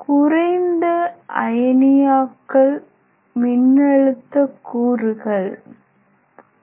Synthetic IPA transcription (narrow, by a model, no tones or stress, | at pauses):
kʊrɐɪnd̪ɐɐ̰jɐnɪjaːkːɐɭ | mɪnːɐɻɯt̪ːɐkːuːɾɯɣɐɭ